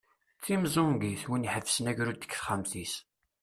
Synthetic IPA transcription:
t͡sːimzˤomɡiθwiniħəvsənæʝɾud̪ə̥kθχəmθis

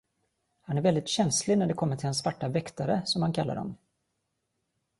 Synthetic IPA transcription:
hanæɾvɛld̪ɪt̪ɕɛnslɪɡnæɖɛkʰɔmːəʈʰɪlansːvaʈːavɛkt̪aɾəsɔmhankʰalːa̰ɖɔ̰m

